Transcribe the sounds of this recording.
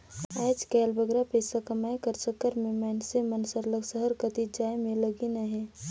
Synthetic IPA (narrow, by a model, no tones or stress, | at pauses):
aːd͡ʒkɛːlbəɡɾapəɪsakəmaːjkəɾsəkːəɾmẽmɛnsemənsəɾləɡsəɦəɾkət̪id͡ʒaːemẽləɡinaɦɛ̃ː